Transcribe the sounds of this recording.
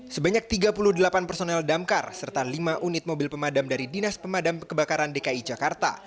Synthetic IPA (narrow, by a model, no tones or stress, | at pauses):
səbaɲak̚t̪iɡapuluhdəlapanpərsonɛldamkarsərt̪alimaʔunɪt̪̚mobɪlpəmadamdaɾidinaspəmadamkəbakaɾandekaid͡ʒakart̪a̰